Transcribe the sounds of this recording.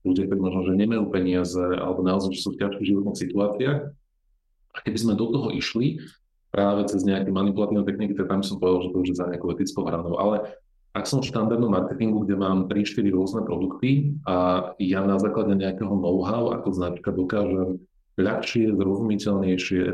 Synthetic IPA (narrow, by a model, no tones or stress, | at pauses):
luɟakt̪ɔɾiːmɔʒnɔʒɛɲɛmajuːpɛɲɪazɛa̰lɛbɔnaɔzaɪʒɛsufcaʃkiɣʒiʋɔt̪nixsit̪uaːt͡siax | akɛbizmɛd̪ɔt̪ɔɦɔʔiʃli | pɾʔaːʋɛt͡sɛzɲɛakɛjmanipulat̪iːnɛjt̪ɛxnikit̪ak̚t̪ambisɔmpɔʋɛd̪alʒɛt̪ɔuʒizaɲɛakɔʊɛt̪it͡skɔʊɦɾanɔʊʔa̰lɛ | aksɔmfʃt̪and̪aɾd̪nɔmːaɾkɛt̪iŋɡuɡɟɛmaːmpɾiʃtɛliɾʊɔznɛpɾɔd̪ukt̪iʔajanazaːklaɟɛɲɛakɛɦɔnɔʊɦaʊa̰kɔznat͡ʃkad̪ɔkaːʒɛm | ʎaxʃɪɛzɾɔzumicɛʎɲɛjʃɪɛ